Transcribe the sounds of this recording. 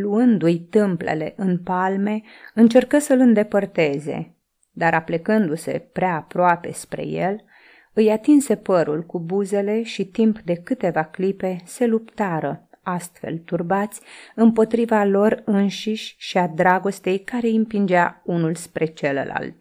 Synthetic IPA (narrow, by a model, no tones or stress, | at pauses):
luɨnd̪ujt̪ɨmple̞̰le̞̰ʔɨnpalme̞ | ɨnt͡ʃe̞rkəsəlɨnd̪e̞pərt̪e̞ze̞̰ | d̪aɾaplekɨnd̪use̞̰pɾeaːpɾoape̞̰spɾe̞̰je̞̰l | ɨjat̪inse̞pəɾulkubuze̞le̞ʃit̪impd̪e̞kɨt̪e̞vaklipe̞se̞lupt̪aɾə | ast̪fe̞̰lt̪urbat̪sʲɨmpo̞t̪ɾivalo̞rɨnʃiʃʲʃiad̪ɾaɡo̞st̪e̞jkaɾe̞impind͡ʒaunulspɾʔe̞t͡ʃe̞lə̰la̰lt̪̚